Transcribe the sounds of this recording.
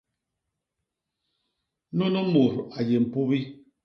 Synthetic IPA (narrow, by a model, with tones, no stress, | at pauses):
no˦no˦mo˨ɾa˨je˨m̩˨pu˦bi˦